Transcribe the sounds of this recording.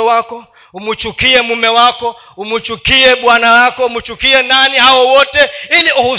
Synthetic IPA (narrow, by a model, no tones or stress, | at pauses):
ɔwakɔ | umut͡ʃukiɛmumɛwakɔ | umut͡ʃukiɛɓwanalakɔumut͡ʃukiɛnanihawɔwɔtɛiliʔuhu